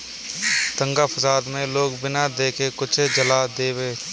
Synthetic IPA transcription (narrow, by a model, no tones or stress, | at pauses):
t̪ə̃ŋɡafɐsaːd̪mẽloːɡbɪnad̪eːkekʊt͡ʃʰed͡ʒɐlad̪eːweː